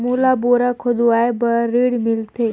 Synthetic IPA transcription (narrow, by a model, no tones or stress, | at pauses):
mulaboɾakʰod̪uaebəɾiɽmilt̪ʰe